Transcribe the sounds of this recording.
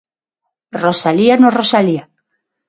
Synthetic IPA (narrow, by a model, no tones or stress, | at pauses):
rosalianorosalia